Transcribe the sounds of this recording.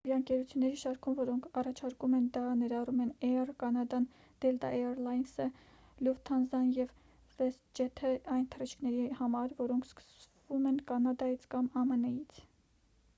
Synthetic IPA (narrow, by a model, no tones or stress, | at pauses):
iɾɑəŋkɛɾut͡sʰjunːɛɾiʃɑɾkʰumvɔɾɔŋkʰɑrɑt͡ʃʰɑɾkumɛnd̪ɑnɛɾɑrumɛnɛrkɑnɑd̪ɑn | d̪̥ɛld̪ɑ̰ʔɛɾlɑjnsə | luvt̪ʰɑnzɑnjɛv | vɛst̪̚d͡ʒɛt̪ʰəɑjnt̪ʰərit͡ʃʰkʰnɛɾihɑmɑɾvɔɾɔŋkʰskə̥svumɛnkɑnɑd̪ɑjit͡sʰkɑmɑmənɛjit͡sʰ